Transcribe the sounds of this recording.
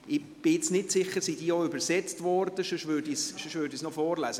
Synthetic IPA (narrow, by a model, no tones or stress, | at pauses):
ɪ | b̥ɪɪt͡snɪtsɪχːəɾsid̥iːoʏbəɾsɛt͡stvɔɾd̥əʃoʃvøːɾdisʃoʃvøːɾdisnɔfɔːɾlæːsə